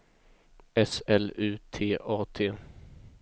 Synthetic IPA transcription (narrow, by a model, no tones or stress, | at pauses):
ɛsɛlʉ̟ːt̪ʰeːʔɑːt̪ʰeː